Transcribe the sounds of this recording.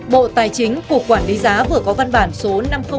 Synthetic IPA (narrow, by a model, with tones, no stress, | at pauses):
ɓo̰˧˨t̪aː˨˩jt͡ɕï˨˦ŋ̟ku˧˩əkwaː˧˩nli˨˦zaː˨˦vɨ˨˩əkɔ˨˦va˧nɓaː˧˩nso˨˦na˧mxə˧